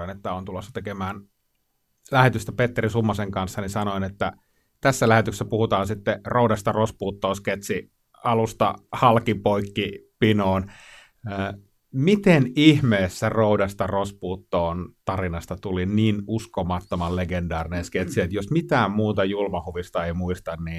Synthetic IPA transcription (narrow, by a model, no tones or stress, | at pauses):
inet̪ːæont̪ulosːɑ̥t̪ekemæːn | læhet̪yst̪æpet̪ːerisumːɑseŋkɑnsːɑnisɑnoinet̪ːæ | t̪æsːælæhet̪yksæpuhut̪ɑːnsit̪ːeroudɑst̪ɑrospuːt̪ːoːsket̪si | ɑlust̪ɑ̰hɑlkipoikːipinoːn | əː | mit̪enihmeːsːæroudɑst̪ɑrospuːt̪ːoːnt̪ɑrinɑst̪ɑt̪uliniːnuskomɑt̪ːomɑlleɡendɑːrinensket̪siet̪josmit̪æːmmuːt̪ɑjulmɑhuʋist̪ɑeimuist̪ɑnniː